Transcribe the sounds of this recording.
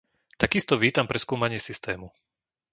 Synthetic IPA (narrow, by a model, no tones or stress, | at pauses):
t̪akist̪ɔʋiːt̪ampɾɛskuːmaɲɪɛsist̪ɛːmu